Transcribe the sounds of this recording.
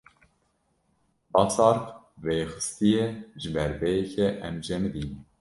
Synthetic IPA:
bɑsɑɾq | veːxɨ̥st̪ijɛʒɨbɛɾbɛjɛkʰɛʔɛmd͡ʒɛmd̪iːn

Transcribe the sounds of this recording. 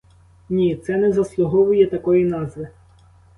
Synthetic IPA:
nʲit̪sɛnɛzɐslˠʊɦɔʋʊjɛt̪ɐkɔjinɑzʋɪ

